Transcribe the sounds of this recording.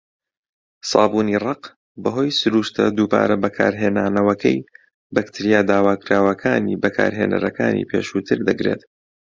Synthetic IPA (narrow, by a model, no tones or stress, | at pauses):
sɑːbuːnirɑq | bɐɦo̞ːjsʊɾuːʃt̪ɐd̪uːba̰ːɾɐbɐkʰaːɾɦeːnaːnɐwɐkʰɐj | bɐkt̪ʰiɾijaːd̪aːwaːkɾaːwɐkʰaːniːbɐkʰa̰ːɾɦeːnɐ̰ɾɐkaːnḭːpʰḛːʃuːt̪ʰɨɾd̪ɐɡɾḛːt̪